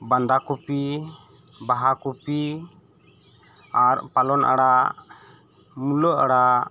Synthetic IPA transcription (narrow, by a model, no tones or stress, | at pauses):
band̪akupi | baɦakupi | aɾpalɔnʔa̰ɽa | mulɔʔaɽa